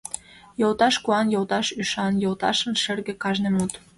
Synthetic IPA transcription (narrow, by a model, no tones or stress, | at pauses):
jolˠt̪ɑʃkuɑnjolt̪ɑʃyʃɑnjolt̪ɑ̰ʃə̆nʃɘ̆rɣĕkɑʒnemut̪